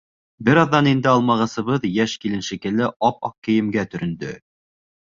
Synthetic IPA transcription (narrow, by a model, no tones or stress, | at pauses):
bɘɾɑðːɑnind̪ɘɑlˠmɑʁɤ̆sɤ̆βɤðjæʃkilɘ̆nʃɘ̆kɘ̆lɘʔɑpɑqkɘ̆jɘ̆mɡæt̪ɵ̆ɾɵ̆nd̪ɵ